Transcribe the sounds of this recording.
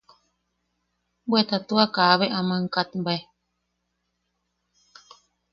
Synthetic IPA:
bwet̪at̪uakaβeʔamãŋkat̪mbae

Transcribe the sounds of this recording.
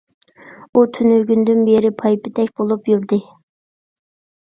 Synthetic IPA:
ut̪ʰynøɡʲynd̪ynbeɾɪpʰɑjpʰɪt̪ʰɛkʲbolˠupjyɾd̪ɨ

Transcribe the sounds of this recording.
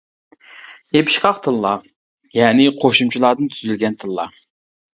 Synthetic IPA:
jepʰɪ̥ʃqɑχt̪ʰɨlˠlˠɑ | jɛːnɪqʰoʃumt͡ʃʰilˠɑːd̪ɨnt̪ʰyzylɡʲɛnt̪ʰɨlˠːɑ̰

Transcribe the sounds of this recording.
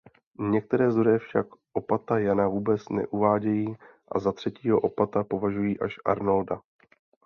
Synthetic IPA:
ɲɛk̚t̪ɛɾɛːzoɾɛfʃakʔo̞pat̪ajanavuːbɛt͡snɛ̰ʔuvaːɟɛjiː | ʔa̰zat̪r̥ɛciːɦo̞ʔopat̪apo̞vaʒujiːʔaʃʔa̰ɾnolda

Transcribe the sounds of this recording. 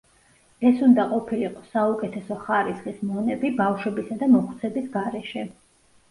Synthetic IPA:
ɛsund̪aqʼɔpʰiliqʼɔsaukʼɛt̪ʰɛsɔχaɾisχismɔnɛbibafʃwɛbisad̪amɔχt̪sʰɛbisɡaɾɛʃɛ

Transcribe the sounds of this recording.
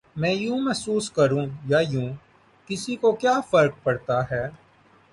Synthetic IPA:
mɛ̃ːjũːmɛɦsuːskɐɾũːjaːjũː | kɪsikokjaːfɐɾk̚pɐɽt̪aɦɛː

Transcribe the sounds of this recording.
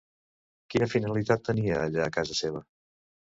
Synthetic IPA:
kinəfinəlit̪at̪ːəniəːʎaːkazəseβ̞ə

